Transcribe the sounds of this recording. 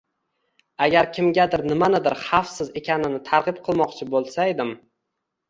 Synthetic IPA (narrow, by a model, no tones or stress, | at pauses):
aɡʲaɾkʲʰɪmɡʲad̪ɪɾnɪmanɪd̪ɪɾχɑfsɪze̞kʲʰanɪnɪt̪ʰaɾʁɨp̚qʰɨlˠmɒqt͡ʃʰɪbolˠsaed̪ɪm